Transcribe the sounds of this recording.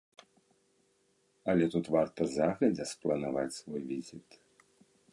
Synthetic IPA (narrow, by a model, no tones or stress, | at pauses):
ɐlʲɛt̪ut̪vart̪ɐzaɣlʲɐd͡zʲɛsplˠɐnavat͡sʲsvɔjvʲizʲit̪